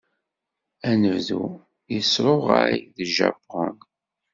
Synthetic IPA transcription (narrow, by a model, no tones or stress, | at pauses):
ænəvðu | jəsɾˤoʁa̰ɾiðəʒæ̰bʁə̰n